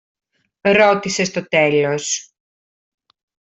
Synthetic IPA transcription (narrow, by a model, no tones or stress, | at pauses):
ɾo̞t̪isest̪o̞t̪e̞lo̞s